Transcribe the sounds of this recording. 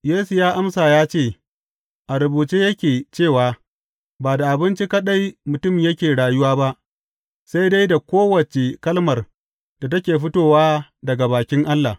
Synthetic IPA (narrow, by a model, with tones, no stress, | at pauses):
jeː˦su˨jaː˦ʔa˦msaː˨jaː˦t͡ʃeː˦˨ | ʔa˨ɾʊ˨buː˨t͡ʃeː˦jɐ˦kʲeː˨t͡ʃeː˦˨waː˨ | baː˨da˨ʔa˨bɪ˦nt͡ʃi˦kɐ˦ɗa˦jmʊ˨tʊ˦mjɐ˦kʲeː˨ɽaː˨jʊ˦waː˦ba˦ʔ | sa˦jda˦jda˨kʷoː˦wɐ˨t͡ʃe˨kɐ˦lmɐ˨r | d̥a˨tɐ˦kʲeː˨ɸɪ˦toː˦˨waː˦dɐ˨ɡa˨baː˨kʲɪ˦ŋʔa˦lːa˨